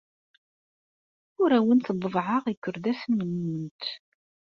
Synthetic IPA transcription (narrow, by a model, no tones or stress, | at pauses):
ʊɾæwənθðˤːəvʕəʁikːʊɾd̪æsənːəmːunt̪